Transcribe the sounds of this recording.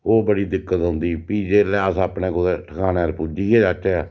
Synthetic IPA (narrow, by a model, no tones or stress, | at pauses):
oːbəɽiːd̪ɪkːət̪ɦõːnd̪iːpiːd͡ʒeːɾlɛasapneːkʊeʈʰəkʰaːneːɾpud͡ʒiːɛːd͡ʒat͡ʃːɛː